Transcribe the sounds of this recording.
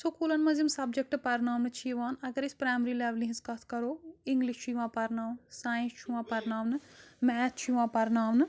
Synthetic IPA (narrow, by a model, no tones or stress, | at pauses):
soːkoːlɐnmɐziimsɐb̚d͡ʒək̚ʈpɐɾnaːʋnɨt͡ʃʰiʋaːnɐɡəɾɪspɾaːjmɾiːlɛːʋlĩɦɪ̃skɐt̪ʰkɐɾoːɪŋɡlɪʃt͡ʃiʋãːpɐɾnaːʋnsaːjɪ̃nst͡ʃʰiʋãːpɐɾnaːʋnmɛːt͡ʃt͡ʃʰiʋãːpɐɾnaːʋn